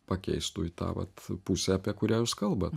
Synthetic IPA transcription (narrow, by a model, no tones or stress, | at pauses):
pɐkʲɛ̰ɪst̪ʊɪt̪ɑ̰ːʋɐ̰t̪pʊsʲɛːɐpʲiɛkʊɾʲæːjuːskɐlˠbɐt̪